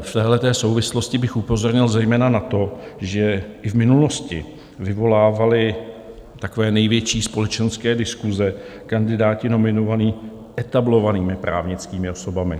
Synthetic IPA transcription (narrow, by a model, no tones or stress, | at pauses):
ft̪ɛːɦlɛt̪ɛːso̞wvɪslo̞scɪbɪxupo̞zo̞ɾɲɪlzɛjmɛːnanat̪o̞ʒɛʔɪvmɪnulo̞scɪ | vɪvo̞laːvalɪ | t̪ako̞vɛːnɛjvjɛt͡ʃiːspo̞lɛt͡ʃɛnskɛːdɪskuzɛkandɪdaːcɪno̞mɪno̞vaniː | ʔɛt̪ablo̞vaniːmɪpɾʔa̰ːvɲɪt͡skiːmɪo̞so̞bamɪ